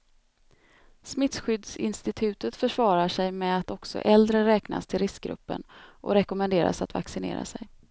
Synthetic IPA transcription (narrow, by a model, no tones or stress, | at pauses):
smɪt̪sɧʏd̪sɪ̰nst̪ɪt̪ʰʉ̟ːt̪ət̪fœʂvɑːɾaʂɛjmɛat̪ɔksɔ̰ʔɛld̪ɾəɾɛːkna̰st̪ʰɪlɾɪsk̚ɡɾɵ̰pːə̰nʔɔ̰ɾɛkɔmɛnd̪eːɾa̰sat̪va̰ksɪnḛːɾa̰sɛj